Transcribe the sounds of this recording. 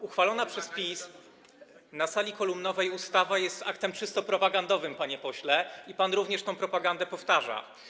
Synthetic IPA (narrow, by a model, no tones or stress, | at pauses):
uxfalɔnapʂɛspʲis | nasalʲikɔlumnɔvɛjust̪avajɛst̪akt̪ɛmt͡ʂɘst̪ɔpɾɔpaɡand̪ɔvɘmpaɲɛpɔɕlɛipanɾuvɲɛʂt̪ɔ̃w̃pɾɔpaɡand̪ɛpɔft̪aʐa̰